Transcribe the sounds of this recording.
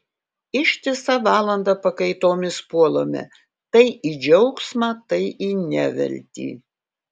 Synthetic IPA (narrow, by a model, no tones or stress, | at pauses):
ɪʃʲt̪ʲɪsɐʋɑːlˠɐnd̪ɑpɐkɐɪt̪oːmʲɪspuɔlˠoːmʲɛ̰ | t̪ɐɪʔid͡ʒʲɛʊksmɑːt̪ɐɪʔiːnʲæʋʲɛ̰lʲt̪ʲḭː